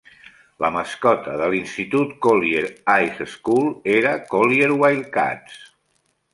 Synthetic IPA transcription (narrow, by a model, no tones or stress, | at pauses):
ləməskɔt̪əðəlinst̪it̪ut̪kolieɾajseskulˠeɾəkolieɾwajlka̰s